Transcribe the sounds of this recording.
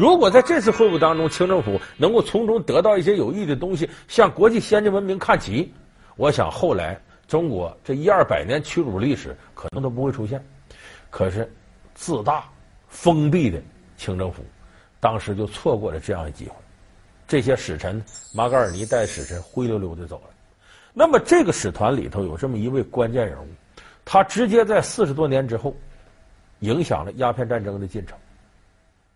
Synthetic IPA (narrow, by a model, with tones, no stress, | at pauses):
ɻu˧˥kwɔ˨˩t͡sa˥˧ɪʈ͡ʂɤ˥˧t͡sʰɹ̩˥˧xwe˥˧u˥˩t̪ɑ˥ŋʈ͡ʂʊ˥ŋt͡ɕʰi˥ŋʈ͡ʂɤ˥˧ŋfu˧˥nɤ˧˥ŋko˥˩ʊt͡sʰʊ˧˥ŋʈ͡ʂʊ˥ŋt̪ɤ˧˥t̪ɑ˥˧ʊi˥˩ɕ̬jɛ˥jo˨˩ʊi˥˩ə˩t̪ʊ˥ŋɕ̬i˨˩ɕjɑ˥˩ŋkwɔ˧˥t͡ɕi˥˧ɕjɛ˥nʈ͡ʂə˥nwə˧˥nmi˧˥ŋkʰa˥˩nt͡ɕʰi˧˥ | wɔ˧˥ɕjɑ̰˨˩ŋxo˥˩ʊla̰˧˥ɪ | ʈ͡ʂʊ˥ŋkwɔ˧˥ʈ͡ʂɤ˥˩i˥ə˞˥˩pa̰˨˩ɪnjɛ˧˥nt͡ɕʰy˥ʈ͡ʂu˨˩˦li˥˩ʂɻ̩̰˨˩˦kʰɤ˨˩nɤ˧˥ŋt̪o˥ʊp̬u˧˥xwe˥˩ɪʈ͡ʂʰu˥ɕ̬jɛ˥˩nkʰɤ˨˩ʂɻ̩˥˩ | t͡sɹ̩˥˧t̪a˥˩ | fɤ˥ŋpi˥˩d̪ə˩ | t͡ɕʰi˥ŋʈ͡ʂɤ˥˧ŋfṵ˧˩˥ | t̪ɑ˥ŋʂɻ̩˧˥t͡ɕjo˥˧ʊt͡sʰwɔ˥˧kwɔ˥˩lə˩ʈ͡ʂɤ˥˧jɑ̰˥˩ŋd̪ə˩t͡ɕḭ˥˩xwe˥˩ɪ | ʈ͡ʂɤ˥˩ɕ̬jɛ˥ʂɻ̩˨˩ʈ͡ʂʰə˧˥nma˧˥kə˥ə˞˨˩ni˧˥t̪a˥˩ɪəʂɻ̩˨˩ʈ͡ʂʰə˧˥nxwe˥ɪljo˧˥ʊljo˧˥ʊt̪e˥˧˩t͡so˨˩ʊlə˦ | na˥˩mə˩ʈ͡ʂɤ˥˩ɡə˩ʂɻ̩˨˩t̪ʰwa˧˥nlḭ˨˩t̪ʰo˧˥ʊjo˨˩ʊʈ͡ʂə˥˩mə˩i˧˥we˥˩ɪkwa˥nt͡ɕjɛ˥˩nɻə̰˧˥nu˥˩ | t̪ʰa˥ʈ͡ʂɻ̩˧˥t͡ɕjɛ˥t͡sa˥˧ɪsɹ̩˥˩ʂɻ̩˧˥t̪wɔ˥njɛ˧˥nʈ͡ʂɻ̩˥xo˥˩ʊ | i˧˥ŋɕjɑ̰˨˩ŋlə˦ja˥pʰjɛ˥˧nʈ͡ʂa˥˩nʈ͡ʂɤ˥ŋd̪ə˧t͡ɕi˥˩nʈ͡ʂʰɤ̥˧˥ŋ